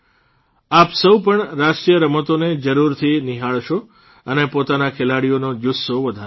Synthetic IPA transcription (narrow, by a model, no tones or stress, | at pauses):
apsəwpəɳɾaʃkijəɾəmət̪oned͡ʒəɾuɾt̪ʰiniɦaɭʃo | ənepot̪anakʰelaɽijonod͡ʒusːoʋəd̪ʱa